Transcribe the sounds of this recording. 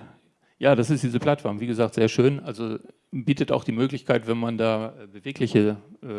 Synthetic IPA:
jaːd̥asɪstd̥iːzəpʰl̥atfɔɐmviːɡəzaːktz̥eːɐʃøːnʔalzo | biːtəta̰ʊxd̥iːmøːklɪçkʰaɪtv̥ɛnmandaːʔɛːbəveːklɪçəʔɛ

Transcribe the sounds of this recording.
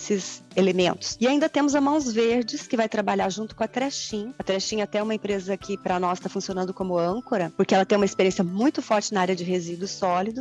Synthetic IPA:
sɪzelemẽnt̪ʊ̥sɪaĩnd̪ɐt̪ẽmʊzɐmɐ̃w̃zveɾd͡ʒɪskɪvajt̪ɾabaʎaɾʒũnt̪ʊkõɐt̪ɾɛʃĩɲɐɐt̪ɾɛʃĩɲɐt̪ɛɛũmɐẽmpɾezɐkʰɪpɾɐnɔst̪afũsionɐ̃nd̪ʊkõmʊɐ̃ŋkoɾɐpʊɾkɪɛlɐt̪ẽj̃umɐispeɾiẽsjɐmũj̃t̪ʊfɔɾt͡ʃɪnaaɾjɐd͡ʒɪɦezid̪ʊsɔlid̪ʊ

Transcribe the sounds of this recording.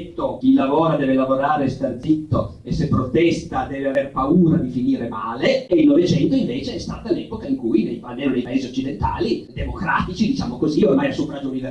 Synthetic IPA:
t̪ok̟ilːavoːɾad̪ɛːvelavoɾaːɾest̪ard̪zit̪ːo | esːepːɾot̪ɛst̪ad̪ɛːveaverpauːɾad̪ifiniːɾemaːleːilnovet͡ʃɛnt̪oiɱveːt͡ʃeɛst̪a̰ːt̪alɛpokaiŋkujnejpanenejpaeːziot͡ʃːid̪ent̪a̰ːlid̪emokɾa̰ːt̪it͡ʃid̪it͡ʃaːmokoziormajasupɾad͡ʒounive

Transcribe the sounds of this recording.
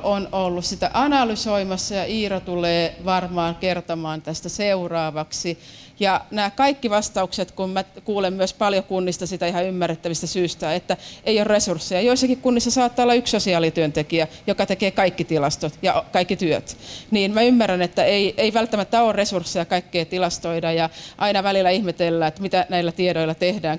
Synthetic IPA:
onolːussit̪æ̰ʔɑnɑlysoimɑsːɑjɑiːrot̪uleːʋɑrmɑːkert̪omɑːnt̪æst̪æseurɑːʋɑksi | jɑnæːkɑikːiʋɑst̪ɑukset̪kummækuːlemmyøspɑljokunːist̪ɑsit̪æihɑymːærːet̪ːæʋist̪æsyːst̪æet̪ːæeijorresursːejɑjoisːɑkikkunːisːɑsɑːt̪ːɑːolːɑykssosiɑːlit̪yønt̪ekiæjokɑt̪ekeːkɑikːit̪ilɑst̪ot̪jɑkɑikːit̪yøt̪niːnmæymːærænet̪ːæeiʔeiʋælt̪ːæmæt̪ːæoːrresursːejɑkɑikːeit̪ilɑst̪oidɑjɑʔɑinɑʋælilːˑæihmet̪elːæet̪mit̪ænæilːæt̪ieɾoilɑt̪ehdæːŋ

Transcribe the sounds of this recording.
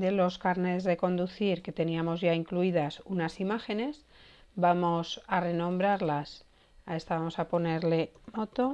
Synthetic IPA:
d̪e̞lo̞skaɾne̞zðe̞ko̞nd̪uθiɾke̞t̪e̞niamo̞zʝaiŋkluiðasunasimaxe̞ne̞s | bamo̞sare̞nõ̞mbɾaɾlas | ae̞st̪aβamo̞sapo̞ne̞ɾle̞mo̞t̪o̞

